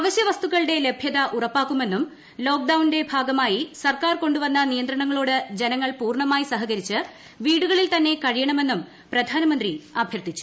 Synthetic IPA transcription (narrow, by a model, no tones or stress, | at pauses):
ɐʋɐɕjɐʋɐst̪uɣɐɭɽe̞le̞bʱjɐðɐʔurɐpːaːkːume̞nːum | lo̞ːk̚ɖɐwnde̞bʱaːɡɐmaːjisɐrkaːrko̞ɳɖuʋɐnːɐnijɐnd̪ɾɐɳɐŋːɐɭoːɽɨd͡ʑe̞nɐŋːɐɭpuːrɳɐmaːjisɐɦɐɣɐɾit͡ɕːɨ | ʋiːɽuɣɐɭilt̪ɐnːe̞kɐɻijɐɳɐme̞nːum | prɐd̪ʱaːnɐmɐnd̪riɐbʱjɐrt̪it͡ɕːu̥